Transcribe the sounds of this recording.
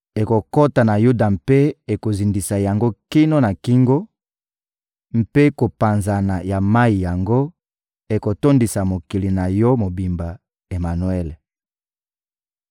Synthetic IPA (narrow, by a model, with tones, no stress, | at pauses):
e˨ko˨ko˦ta˨na˨ju˦da˨mpe˦e˨ko˨zi˨ndi˨sa˨ja˨ŋɡo˦ki˦no˦na˨ki˦ŋɡo˦ | m̩˦pe˦ko˨pa˨nza˨na˨ja˨ma˦i˨ja˨ŋɡo˦ | e˨ko˨to˦ndi˨sa˨mo˨ki˨li˨na˨jɔ˦mo˨bi˨mba˨ | e˨ma˨nwe˦le˨